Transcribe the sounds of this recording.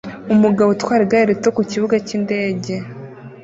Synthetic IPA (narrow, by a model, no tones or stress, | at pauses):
umuɡaβotwaːɾiɡaiɾetokuciβuɡacinde̞ːɟe̞